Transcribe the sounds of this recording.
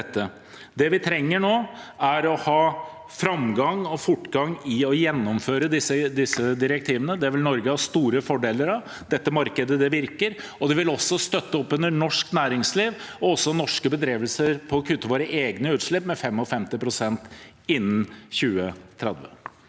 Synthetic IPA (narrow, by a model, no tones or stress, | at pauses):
ɛt̪ːə | d̪ɛʋɪt̪ʰɾɛŋːəɳoːæɾɔhɑː | fɾɑmɡɑŋɔfʊʈːɡɑŋɪɔjɛnːɔmføːɾəd̪ɪsəd̪ɪsːəd̪ɪɾɛk̚t̪ʰiːʋənəd̪ɛæɾʋɪlnɔɾɡəhɑst̪uːɾəfɔɖeːləɾɑʋ | d̪ɛt̪ːəmɑɾkəd̪əd̪ɛʋɪɾkəɾɔd̪ɛʋɪlɔsːɔst̪œt̪ːəɔpːʉnəɳɔʂknæːɾɪŋsliːʋɔɔsːɔnɔʂkəbəd̪ɾeːʋəlsəɾpʰɔːkʰʉt̪ːəʋoːɾəʔeːɡnəʉːt̪ʂɭɪpːmɛfɛmːɔfɛmt̪ɪpʰɾʊsɛnt̪ | ɪnːn̩çʉːət̪ʰɾɛd̪ʋə̰